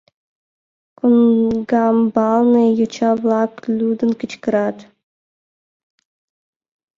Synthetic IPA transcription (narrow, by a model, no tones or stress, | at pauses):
kunɡɑmbɑlˠnɤjut͡ɕɑblˠɑklʲud̪ɤ̆nkɘ̆t͡ɕkɘ̆ɾɑt̪